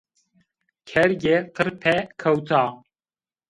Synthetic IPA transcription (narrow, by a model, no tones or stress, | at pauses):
kʰɛɾɡeqʰəɾpʰɛkʰɐwt̪ʰaː